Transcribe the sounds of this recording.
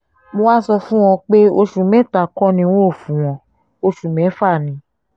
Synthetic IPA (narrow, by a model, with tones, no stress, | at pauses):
mo˧wa˦sɔ˧fũ˦w̃ɔ̃˧k͡pe˦o˧ʃũ˨mɛ̃˦ta˨kɔ̃˦nĩ˧˦wõ˦o˦˨fũ˨w̃ɔ̃˨˦ | o˧ʃu˨mɛ̃˨˦fa˦˨nĩ˧˦